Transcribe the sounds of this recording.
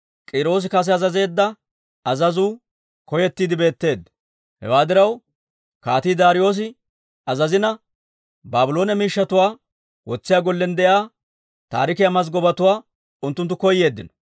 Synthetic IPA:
kʼiːɾo̞ːs̬ɪkɐs̬ɛɐzɐze̞ːd̪ːɐ | ɐzɐzuː | kɔjɛt̪ːiːd̪ɪbe̞ːt̪ːe̞ːd̪ːɐ | hɛ̰waːd̪ɪɾɐw | kaːt̪iːd̪aːɾɪjo̞ːs̬ɪ | ɐzɐzɪnɐ | baːbɪlo̞ːnɛmiːʃːɐt̪ʊwaː | wɔt͡sːɪjaːɡɔlːɛnd̪ɛʔjaː | t̪a̰ːɾɪkɪjɐmɐz̬ɡɔbɐt̪ʊwaː | ʊnt̪ːʊnt̪ːʊkɔjːe̞ːd̪ːɪnɔ̥

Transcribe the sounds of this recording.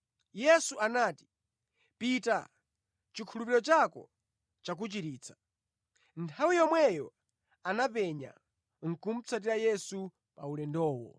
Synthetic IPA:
jɛsuanaːti̥ | pita | t͡ʃikʰulupiɾɔt͡ʃakɔ̰ | t͡ʃak̬ut͡ʃiɾiːt͡sʰḁ | ntʰawijɔmwɛjɔ | anapɛɲa̰ | ŋ̩kum̩t͡sʰat̬iɾajɛsu | pa̰ulɛndɔːwɔ̰

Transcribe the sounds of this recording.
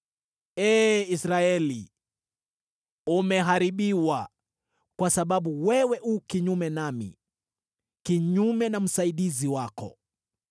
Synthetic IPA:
ɛːisɾaɛlḭ | umɛɦaɾiɓiwa | kwasaɓaɓuwɛwɛʔuːkiɲumɛnamḭ | kiɲumɛnam̩saiɗiziwakɔ̰

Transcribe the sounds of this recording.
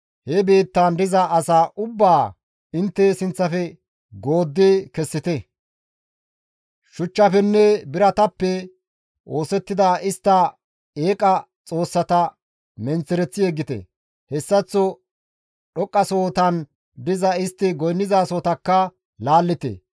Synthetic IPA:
hɛbe̞ːt̪ːand̪ɪzɐʔːsaːʔʊbːaː | ɪnt̪ːɛsɪnt͡sːɐfɛ | ɡo̞ːd̪ːeːkɛsːɪt̪ɛ | ʃʊt͡ʃːɐfɛnːɛbɪɾɐt̪ɐpːɛ | ʔo̞ːsɛt̪ːɪd̪aʔɪst̪ːɐ | eːkʼɐ | t͡sʼo̞ːsːɐt̪ɐ | mɛnt͡sːɛɾɛt͡sːɪjeɡːɪt̪ɛ̰ | hɛsːɐt͡sːɔ | ɗɔkʼːɐsoːt̪ɐn | d̪ɪzɐɪst̪ːɪɡɔjnːɪzaːso̞ːt̪ɐkːɐ | laːlːɪt̪ḛ

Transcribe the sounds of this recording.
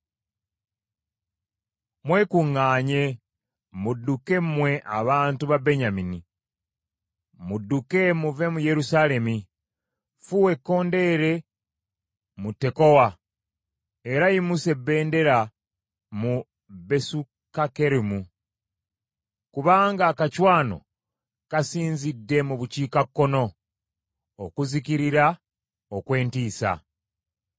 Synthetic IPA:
mwe̞kuŋːaːɲe̞ | mudːuke̞mwe̞ʔaβaːntuβabeɲamini | mudːuke̞muve̞muje̞ɾusaːle̞mi | fuwe̞kːo̞ːnde̞ɾe̞ | mutːe̞ko̞wa | e̞ɾajimuse̞bːe̞ːnde̞ɾa | mu | be̞su | kake̞ɾimu | kuβaːŋɡaːkacwaːno̞̰ | kasiːnzidːe̞muβuciːkakːo̞no̞ | okuziciɾiɾa | okwe̞ːntiːsa̰

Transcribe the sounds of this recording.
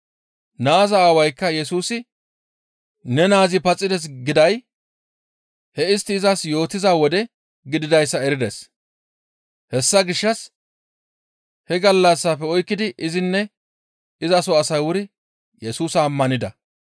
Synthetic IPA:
naːzɐaːwɐjkːɐjɛsuːsɪ | nɛnaːzɪpɐt͡sʼːɪd̪ɛs̬ɡɪd̪ɐj | hɛɪst̪ːɪːzɐsjo̞ːt̪ːɪzawɔd̪ɛ | ɡɪd̪ɪd̪ɐjsːɐɛɾɪd̪ɛs | hɛsːɐɡɪʃːɐs | hɛɡɐlːɐsːapːɛɔjkːɪd̪ɪʔɪzɪnːɛ | ɪzɐsɔɐsɐjwʊɾɪ | jɛsuːsɐːmːɐnɪd̪ɐ

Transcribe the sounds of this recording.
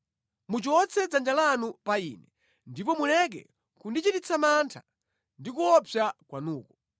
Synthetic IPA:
mut͡ʃɔt͡sɛd͡zand͡ʒalanupaḭːnɛ | ndipɔmulɛk̬ɛ̰ | kundit͡ʃitit͡sʰamantʰa | ndikuɔpjakwanuːkɔ

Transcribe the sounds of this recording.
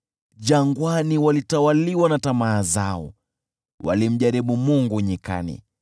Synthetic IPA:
ʄaŋɡwaniwalitawaliwanatamaːzaɔ̰ | wa̰lim̩ʄaɾiɓumuŋɡuɲika̰nḭ

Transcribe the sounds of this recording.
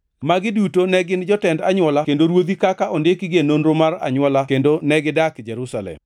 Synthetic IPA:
maɡɪdutonɛɡɪnd͡ʒɔtɛndaɲwɔlakendoɾwod̪ikakaʔondekiɡenonɾomara̰ɲwɔlakendonɛɡɪdakd͡ʒɛɾusalɛ̰m

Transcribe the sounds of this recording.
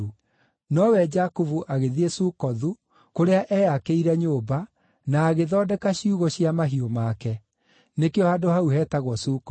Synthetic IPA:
u | nɔwɛd͡ʒakuvuʔaɣeðiesuːkɔðu | koɾeaʔɛakeiɾɛɲoːba | naːɣeðɔːdɛkaɕiuɣɔɕiamaɦiomakɛ | nekeɔhadohauɦɛːtaɣwɔsukɔ

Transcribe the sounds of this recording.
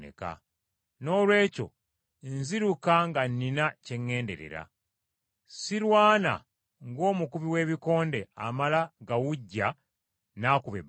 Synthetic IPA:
nḛka̰ | no̞ːlwe̞ːco̞̰ | nziɾukaŋɡanːinace̞ŋːe̞ːnde̞̰ɾḛɾa̰ | silwaːna̰ | ŋɡo̞ːmukuβiwe̞ːβiko̞ːnde̞a̰malaɡawuɟːa | naːkuβḛb

